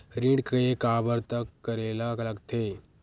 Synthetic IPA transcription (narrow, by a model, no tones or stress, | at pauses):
ɾĩɖkɐekaːbəɾt̪əkːɐɾeːlaklɐɡt̪ʰeː